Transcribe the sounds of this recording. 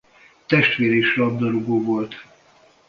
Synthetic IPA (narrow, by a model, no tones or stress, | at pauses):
t̪ɛʃt̪ʋeːɾeiʃrɒb̚d̪oɾuɡoːvo̞lt̪